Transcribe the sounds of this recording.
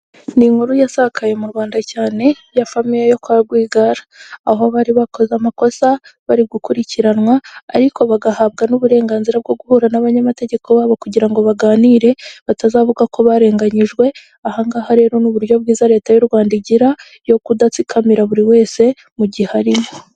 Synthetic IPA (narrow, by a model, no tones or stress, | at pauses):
niŋhuɾujasakʰaje̞muɾwaːndacaːne̞ | jafamijejo̞kaɡwiːɡaɾḁːɦoβaɾiβakʰo̞zamako̞saβaɾiɡukuɾiciɾanwa̰ːɾikʰo̞βaɡahaβ̚ɡanuβuɾe̞ːŋɡaːnziɾab̚ɡo̞ɡuhuːɾanaβaɲamate̞ɟe̞kʰo̞βaːβokuɟiɾaŋɡo̞βaɡaːniːɾe̞βatazaːvuɡako̞βaɾe̞ːŋɡaɲiʒɡwe̞ | ahaŋɡahaɾe̞ɾo̞nuβuɾjo̞βɡiːzaɾe̞ːtajuɾɡwaːndiɟiɾa | jo̞kudat͡sikʰamiɾaβuɾiwe̞ːse̞ | muɟihaɾimo